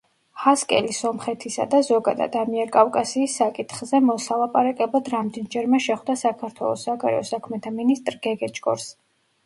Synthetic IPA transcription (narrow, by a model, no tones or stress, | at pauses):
haskʼɛ̰lisɔmχɛt̪ʰisa̰d̪azɔɡa̰d̪a̰d̪amiɛɾkʼafkʼasiːsːakʼit̪ʰχzɛmɔsalˠapʼaɾakʼɛblˠad̪ɾamd̪ɛnd͡ʒɛɾmɛʃɛχd̪asakʰaɾt̪ʰwɛ̰lˠɔ̰sːaɡaɾɛ̰ɔsakʰmɛt̪ʰaminist̪ʼɾɡ̥ɛɡɛt͡ʃʼkʼɔ̰ɾs